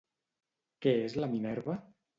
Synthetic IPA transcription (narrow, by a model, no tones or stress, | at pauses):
keezlaminɛɾβa